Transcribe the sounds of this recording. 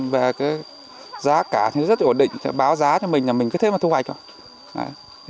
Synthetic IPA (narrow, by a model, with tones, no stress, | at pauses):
veː˨˩kaː˨˦j | zaː˨˦kaː˧˩t̪ʰi˨˩nɔ˨˦zə˦˥t̚nɗḭ˧˨ŋ̟˧˩ɓaː˨˦wzaː˨˦t͡ɕɔ˧mi˨˩ŋ̟laː˨˩mi̟˨˩kɨː˨˦t̪ʰe˨˦mː˨˩t̪ʰhwa̰˧˨j̚k̚t͡ɕɔ˧ | ʔa̰ː˧˦j